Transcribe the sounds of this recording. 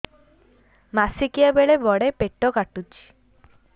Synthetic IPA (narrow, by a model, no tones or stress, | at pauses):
masikijabeɭebɔɽepeʈːɔkaʈut͡ʃʰi̥